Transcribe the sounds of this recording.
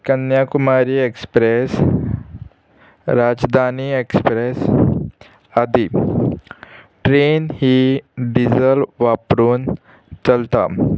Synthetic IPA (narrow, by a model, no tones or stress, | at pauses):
kɐnjaːkʊmaːɾiekspɾes | ɾaːd͡ʒd̪ʱaːniekspɾes | ɐd̪ʱi | ʈɾeːnhiɖizəlʋaːpɾuːn | t͡ʃɐlt̪a̰ːm